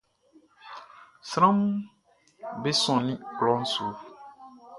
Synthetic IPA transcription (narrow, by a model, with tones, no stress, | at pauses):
sɾã˦m | be˦sɔ̃˨nĩ˦klɔ̃˦n̩˦su˨˦